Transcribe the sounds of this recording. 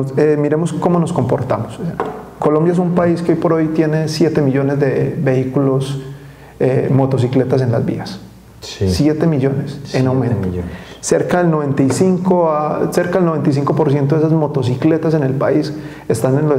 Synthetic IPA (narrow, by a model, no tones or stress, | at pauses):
emiɾe̞mo̞sko̞mono̞sko̞mpo̞ɾt̪amosko̞lo̞mbjaes̬umpaiskeojpo̞ɾo̞jt̪je̞ne̞sje̞t̪emiʝo̞ne̞zd̪ebeikulo̞s | emo̞t̪o̞s̬ikle̞t̪as̬e̞nla̰zbḭas | sjet̪emiʝo̞nesenawmẽntoːeɾkaðelnoβe̞nt̪ajsiŋkoaseɾkaelnoe̞nt̪ajsiŋko̞po̞ɾs̬jent̪oðesazmo̞t̪o̞s̬ikle̞t̪ase̞ne̞lpais | est̪anenlo